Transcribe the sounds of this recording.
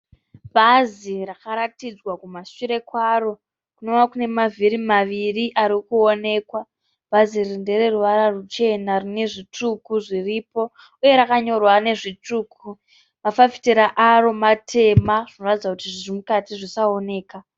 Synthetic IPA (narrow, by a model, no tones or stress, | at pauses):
bʱazirakaɾatid͡zwakumaʃiɾe̞kwaro̞ | kunonakune̞maviɾimaʋiriʔaɾikuone̞ːkwa | b̥ʱazirinde̞re̞ruʋaɾarut͡ʃe̞narine̞ʐitukuʐiripo̞ | uje̞ɾakaɲo̞rwane̞ʐituːkʰu | mafafi̥teɾaʔaro̞matʰe̞maʐino̞ratid͡zakutiʐiʐimukatiʐisaone̞ːka